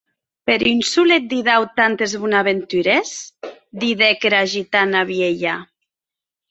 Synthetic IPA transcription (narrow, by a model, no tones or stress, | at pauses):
peɾynsulet̪̚d̪iðawt̪ant̪ezβunaβent̪yɾesd̪iðekeɾaʒit̪anaβjeʎa